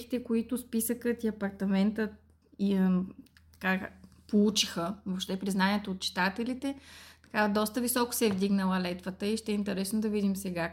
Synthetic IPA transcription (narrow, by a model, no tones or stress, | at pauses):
i̥t̪ɛkoit̪ʊspisəkət̪iɐpɐɾt̪ɐmɛnt̪ət̪ | itt̪ɐ̥ka | polˠut͡ʃixəvopʃt̪ɛpɾiznanʲiɛt̪oːt̪̚t͡ʃi̥t̪at̪ɛlit̪ɛt̪ɐ̥kad̪ɔst̪əvisɔkʊ̥sɛɛvd̪iɡnəlˠəlɛt̪vət̪əiʃt̪ɛɛint̪ɛɾɛsnod̪ɐvid̪imsɛɡa